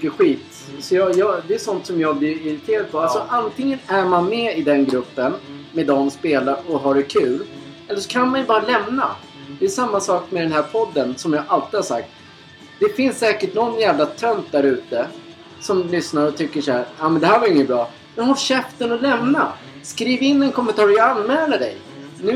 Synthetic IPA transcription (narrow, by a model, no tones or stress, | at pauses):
kːəɧiːt̪ | sɔjɑjɑd̪ɛːsɔnt̪sɔmjɑːɡblɪɾɪɾɪt̪ʰeːɾad̪̚pʰɔalsɔʔant̪ʰɪŋːənæɾmanmɛɪd̪ɛnɡɾɵpːənmɛːd̪ɔmspeːlaɾɔɦaɖɛkʰʉ̟ːl | ɛlːəʂɔ̥kʰanmanjɵbɑːɾalɛmna̰ | d̪ɛʂamːasɑːkmɛd̪ɛnɦæːɾpʰɔd̪ːənsɔmjɑʔalt̪ɪhaʂsak̚t̪ | d̪̥ɛfɪnssɛːkəʈnɔnːjæːvlat̪ʰœnt̪̚d̪æɾʉ̟ːt̪ə | sɔmlʏsnaɾɔt̪ʰʏkːəʂhæɾjaːmɛnd̪ɛhæɾvaɾɪŋːət̪̚bɾɑː | mɛnhɔɕɛft̪ənɔlɛmna | skɾiːvɪnːɛnkʰɔmɛnt̪ʰɑːɾjaanːmɛːlaɖɛj | nʉ̟